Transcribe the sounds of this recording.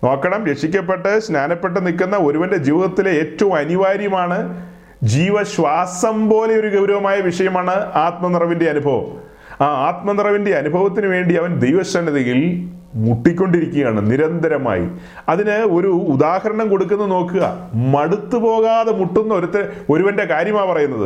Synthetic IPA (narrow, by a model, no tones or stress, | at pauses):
no̞ːkːɐɳɐmɾe̞ʂikʲːɐp̬ːe̞ʈːɨɕnaːnɐpːe̞ʈːɨnilkːunːɐo̞ɾuʋɐnde̞d͡ʑiːʋiðɐt̪ːileeːtːɐʋumɐniʋaːɾjɐmaːɳɨ | d͡ʑiːʋɐɕʋaːsɐmbo̞ːle̞o̞ɾuɡɐʋwɾɐʋɐmaːjɐʋiʂɐjɐmaːɳɨaːt̪mɐnrɐʋinde̞ɐnubʱɐʋɐ̰m | aaːt̪mɐnrɐʋinde̞ɐnubʱɐʋɐt̪̬ːinɨʋe̞ːɳɖiɐʋɐnd̪ejʋɐɕɐnːɐðeɣil | muʈːikʲːo̞ɳɖiɾikʲːuɣjaːɳɨ̰niɾɐnd̪ʱɐɾɐma̰ːjḭ | ɐðinɨo̞ɾuːd̪aːhɐɾɐɳɐmko̞ɽukːunːɐno̞ːkːɨɣɐ̰mɐɽut̪ːupo̞ːɣaːðemuʈːunːɐoɾut̪ːɐo̞ɾuʋɐnde̞kaːɾjɐmaːpɐrɐjunːɐðɨ̰